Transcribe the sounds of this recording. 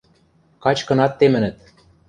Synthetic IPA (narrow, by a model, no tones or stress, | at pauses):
kɑt͡ɕkɤ̆nɑt̪ːemɘ̆nɘ̆t̪